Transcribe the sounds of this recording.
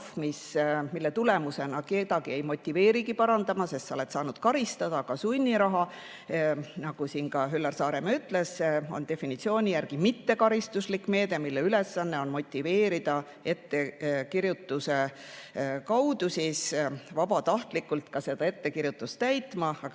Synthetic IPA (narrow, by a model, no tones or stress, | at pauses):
fmismilːe̞t̪ule̞muse̞nɑket̪ɑɡ̥ie̞jmo̞t̪ʲːive̞ːɾiɡipɑɾɑnd̪ɑmɑse̞st̪sɑole̞t̪sɑːnud̪̥kɑɾist̪ɑd̪̥ɑkɑsunʲːiɾɑɦɑ | nɑɡ̥usiːnkɑɦylːɑrsɑːɾe̞mɑyt̪ːˑle̞so̞̰nt̪e̞finit̪sio̞ːnʲijæɾɡ̥imit̪ːe̞kɑɾist̪uslikːˑme̞ːd̪̥e̞milːeyle̞sːɑnːe̞o̞nmo̞t̪ʲːive̞ːɾid̪̥ɑ | e̞t̪ːe̞kiɾjut̪ːˑuse̞ | kɑwd̪usisvɑbɑt̪ɑht̪likːˑult̪kɑse̞d̪̥ɑe̞t̪ːe̞kiɾjut̪ːˑust̪æjt̪mɑɑ